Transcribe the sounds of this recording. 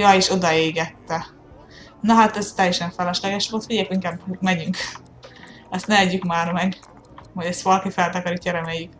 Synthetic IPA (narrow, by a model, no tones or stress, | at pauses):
jɒːeːʃo̞d̪ɒeːɡɛt̪ːɛ | nɒɦat̪ɛzt̪ɛjɛʃɛɱfɛlɛʃlɛɡɛʃʋolt̪fiɟɛjɛkiŋkaːbmɛɲyŋk | ɛst̪nɛɛɟːykmaːrmɛɡ | hoɟɛst̪ʋɒlɒkifɛlt̪ɒkɒɾicːɒɾɛmeːjyk